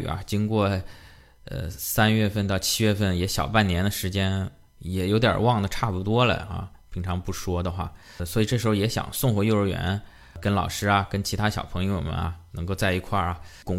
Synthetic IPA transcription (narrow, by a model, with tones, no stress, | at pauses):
ɐ̰˧˩t͡ɕi˥ŋkwɔ˥˩ | ə̰˧sa˥nɥɛ˥˧fə˥˧nt̪ɑ˥˩ʊt͡ɕʰi˥ɥɛ˥˧fə˥˩njɛ˧˥ɕjɑ˨˩ʊpa˥˩nnjɛ˧˥nd̪ə˧ʂɻ̩˧˥t͡ɕjɛ˥n | jɛ˨˩jo˧˥t̪jɑ̰˨˩wɑ˥˩ŋd̪ə˩ʈ͡ʂʰa˥˩pu˨˩t̪wɔ˥lə̰˨ɐ̰˧ | pʰi˧˥ŋʈ͡ʂʰɑ˧˥ŋpu˥˩ʂwɔ˥d̪ə˨xwa̰˥˩ | swɔ˧˥i˨˩ʈ͡ʂɤ˥˩ʂɻ̩˧˥xo˧˩jɛ˧˥ɕjɑ̰˨˩˦ŋsʊ˥˩ŋxwɔ˧˥jo˥˧ʊɻə˧˥ɥɛ̰˧˥n | kə˥nlɑ˨˩ʊʂɻ̩˥ɐ˨kə˥nt͡ɕʰi˧˥a˥ɕjɑ˨˩ʊpʰɤ˧˥ŋjo˧˩ʊmə̰˨˦na̰˨˩nɤ˧˥ŋko˥˧ʊt͡sa˥˩ɪi˧˥kʰwa˥˩ɐ˩kʊ˨˩ŋ